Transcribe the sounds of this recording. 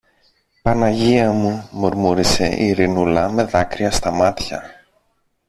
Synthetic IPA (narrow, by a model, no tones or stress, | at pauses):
pɐnɐʝiɐmumoɾmuɾise̞̰ʔiɾinulɐme̞ðɐkɾiɐst̪ɐmɐt̪çɐ̰